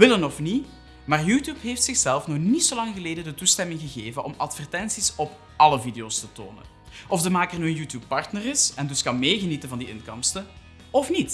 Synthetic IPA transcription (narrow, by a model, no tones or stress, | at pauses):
ʋɪlənɔfni | maːrjuːtjuːpɦeːftsɪxsɛlˠfnɔχnitsolɑŋɣəleːdədətustɛmɪŋɣəɣeːvənʔɔmɑtfɛrtɛnsisɔp | ɑləvideoːstəto̰ːnə̰n | ʔɔfdəmaːkərnyənjuːtjuːpːɑrtnərɪsɛndɵskɑnmeːɣənitənvɑndiɪnkɔmstə | ɔfnit